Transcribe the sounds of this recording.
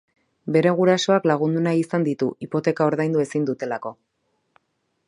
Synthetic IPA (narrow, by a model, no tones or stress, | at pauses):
be̞ɾe̞ɣ̞uɾaso̞aklaɣ̞und̪unaisand̪it̪uʔipo̞t̪e̞kao̞ɾðajnd̪ue̞sind̪ut̪e̞lako̞